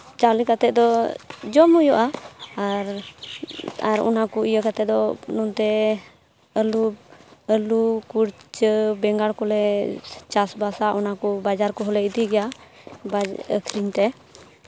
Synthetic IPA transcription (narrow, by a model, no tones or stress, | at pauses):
t͡ʃalikat̪ɛt̪̚d̪ɔd͡ʒɔmujɔʔaː | ɾ | aɾɔ̰nakɔijəkat̪ɛd̪ɔnɔnt̪ɛ | əlubəlukuɾt͡ʃbɛŋɡaɽkɔlɛt͡ʃasbasaʔɔnakɔbad͡ʒaɾkɔɦɔlɛid̪iɡɛja | baə̰kʰɾiɲt̪ɛ